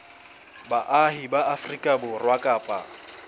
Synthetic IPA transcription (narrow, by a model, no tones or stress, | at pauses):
baʔahibaafrikʼabʊrwakʼaːpʼa̰